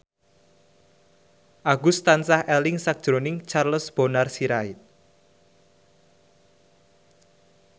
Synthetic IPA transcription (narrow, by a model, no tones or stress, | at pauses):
ʔaɡust̪ansahʔɛlɪŋsak̚d̥ʒ̥ɾonɪŋt͡ʃarləsb̥onarsiɾaɪt̪̚